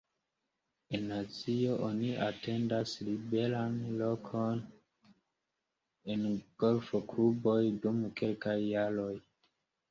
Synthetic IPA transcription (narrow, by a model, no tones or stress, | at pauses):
enːat͡sio̞ʔoniate̞ndaslibe̞lanlo̞kʰo̞n | enɡ̥o̞lfo̞klubo̞jdumke̞lkajːaɾo̞j